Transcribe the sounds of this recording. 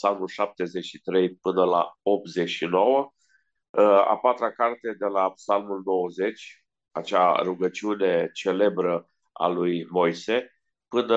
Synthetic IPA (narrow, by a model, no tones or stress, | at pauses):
psalmulʃap̚t̪e̞zeʃit̪ɾe̞jpɨnəla̰o̞p̚t̪ze̞ʃino̞wə | a̰pat̪ɾakart̪e̞d̪e̞lapsalmulno̞wəze̞t͡ʃʲ | a̰t͡ʃaruɡət͡ʃiune̞t͡ʃe̞le̞bɾə | a̰lujmo̞jse̞ | pɨnə